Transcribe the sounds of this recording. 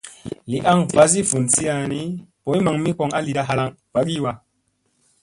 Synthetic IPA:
li˨ʔa˦ŋva˦zi˦fu˨nsi˦a˧ni˦po˨˦jma˨ŋmi˦ko˧ŋa˦li˨ɗa˦ɦa˧la˦ŋ | v̥a˨˦ɡi˦wa˧

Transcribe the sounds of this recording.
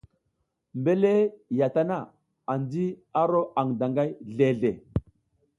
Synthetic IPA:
mbe˦le˦ja˨ta˦na˦˨ | a˨ndi˦a˦ɾo˦ʔa˨ŋda˨ŋɡa˦jɮe˨ɮe˨

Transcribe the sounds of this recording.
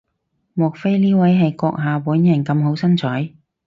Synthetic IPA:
mɔː˨˩k̚fe˥jliː˥wɐ˨˥jɦɐ˨jkɔː˧k̚ɦaː˨puː˨˥njɐ˨˩nkɐ˧mɦo˨˥wsɐ˥nt͡sʰɔː˨˥j

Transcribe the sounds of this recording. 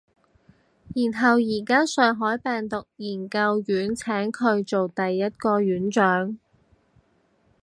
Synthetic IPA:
jiː˨˩nɦɐ˨wjiː˨˩kaː˥sœː˨˩ŋɦɔː˨˥jpɛː˨˩ŋt̪ʊ˨k̚jiː˨˩nkɐ˧wjyː˨˥nt͡sʰɛː˨˥ŋkʰɵ˨˧ɥt͡so˨wt̪ɐ˨jːɐ˥t̚kɔː˧ɥyː˨˥nt͡ʃœː˨˥ŋ

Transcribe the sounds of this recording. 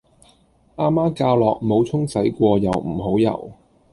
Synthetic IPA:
ʔaː˥maː˥kaː˧wlɔː˨k̚mo˨˧wt͡sʰʊ˥ŋsɐ˨˥jkʷɔː˧jɐ˨wm̩˨˩ɦo˨˥wjɐ̰˨˩w

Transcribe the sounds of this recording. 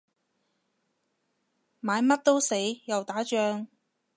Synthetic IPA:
maː˨˧jmɐ˥t̚t̪o˥wse˨˥jjɐ˨wt̪aː˨˥t͡ʃœː˧ŋ

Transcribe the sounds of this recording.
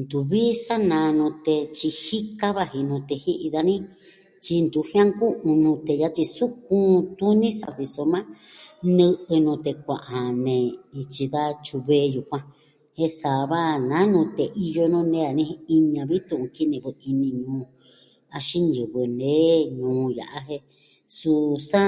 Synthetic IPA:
nd̪u˨βi˦sa˦nã˧nũ˧t̪e˧t͡ʃi˧hi˦ka˦βa˧hi˧nũ˧t̪e˧hi˦ʔi˧ða˧nĩ˦ | t͡ʃi˧nd̪u˨˦hj̃ã˦ŋkũ˦ʔũ˧nũ˧t̪e˧ja˧t͡ʃi˧su˦k̚ũ˦˧t̪u˦nĩ˦sa˧βi˧so˧mã˦nɨ̃˧ʔɨ˧nũ˧t̪e˧kʷã˨ʔa˨nẽ˨i˧t͡ʃi˧ða˦t͡ʃu˧βeː˧ju˨kʷã˧ | he˦sa˨βa˦nã˨˦nũ˧t̪e˨ʔi˧jo˧nũ˦nẽ˦a˨nĩ˧i˧ɲã˧βi˦t̪ũ˧ʔũ˧ki˦nĩ˧˨βɨ˧i˧nĩ˧ɲũː˨˦ | a˧ʃi˦nɲɨ˨βɨ˧nẽ˦ɲũː˨˦ja̰˨ʔa˧ɦe˧ | su˧sa˦

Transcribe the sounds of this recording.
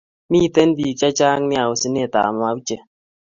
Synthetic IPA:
mi˦˨te˦n˦bi˨t͡ʃa˦t͡ʃa˦ŋ˦ni˦a˨wu˨si˦ne˦˨ta̰ː˨m˨a˨u˦t͡ʃe˨

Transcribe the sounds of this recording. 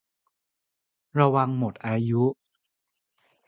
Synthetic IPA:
ɾa˧wa˧ŋmo˨˩t̪̚ʔaː˧ju˦˥ʔ

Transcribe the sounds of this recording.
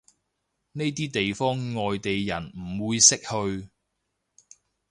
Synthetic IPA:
ne˥jt̪iː˥t̪e˨jfɔː˥ŋŋɔː˨jt̪e˨jjɐ˨˩nm̩˨˩wuː˨˧jsɪ˥k̚hɵ˧ɥ

